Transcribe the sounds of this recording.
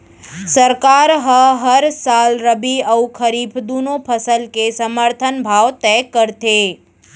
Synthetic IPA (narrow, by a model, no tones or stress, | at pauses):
səɾkaɾɦəɦəɾsalɾəbiəwkʰəɾipʰd̪unopʰəsəlkesəməɾt̪ʰənbʱaʋt̪ɛkəɾt̪e